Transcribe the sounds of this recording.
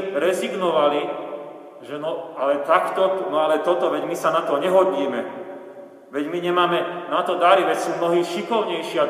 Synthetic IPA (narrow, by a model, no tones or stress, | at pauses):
ɾɛziɡnɔʋali | ʒɛnɔalɛt̪akt̪ɔnɔalɛt̪ɔt̪ɔʋɛɟmisanat̪ɔɲɛɦɔd̪ɲiːmɛ | ʋɛɟmiɲɛmaːmɛnat̪ɔd̪aɾiʋɛcsuːmnɔɦiːʃikɔʊɲɛjʃɪa